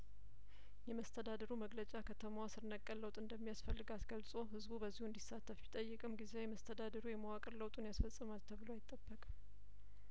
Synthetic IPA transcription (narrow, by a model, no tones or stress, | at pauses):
jɛməst̪ʰəd̪ad̪əɾuməɡlət͡ʃʼakʰət̪ʰəmwasɨɾnəkʼːəlːəwt̪ʼɨnd̪əmːijasfəlːɨɡat̪ɡəlsʼo̞ɦɨzbubəzːihuɨnd̪isːat̪ʰːəfjɪt̪ʼəjːɨkʼɨmɡize̞jɛməst̪ʰəd̪ad̪əɾujɛməwakʼɨɾləwt̪ʼunjasfəsʼːɨmat̪ʰːəβɨloajɪt̪ʼːəbːəkʼ